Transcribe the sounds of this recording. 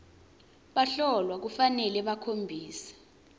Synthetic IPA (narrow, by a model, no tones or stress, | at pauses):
ɓaɬɔlwak̬ufanɛlɛɓakʰombʱiːsḁ